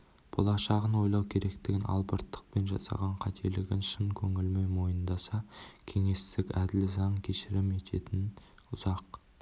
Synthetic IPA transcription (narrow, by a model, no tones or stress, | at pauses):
b̥olˠɑʃɑʁənwo̞jlˠɑwkʲʰe̞ɾe̞kt̪ɪɡʲɪnʔɑ̰lˠbəɾt̪ːə̥q̚pe̞nʒɑ̰sɑ̰ʁɑɴqʰɑt̪ʰelɪɡʲɪnʃəŋkʲʰɵŋɪlmejmo̞jənd̪ɑsɑkʲʰe̞ŋe̞st̪ɪkʲæd̪ɪlɪzɑɴkʲʰe̞ʃɪɾɪme̞t̪ʰe̞t̪ɪn | ʊzɑq